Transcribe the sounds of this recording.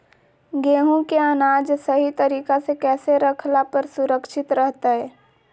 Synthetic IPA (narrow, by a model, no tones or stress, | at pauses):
ɡeːɦũkeənaːd͡ʒsɐɦit̪ɐɾiːkasekɛːseɾɐkʰlapəɾsʊɾəkʃɪt̪ɾəɦt̪aɦɛː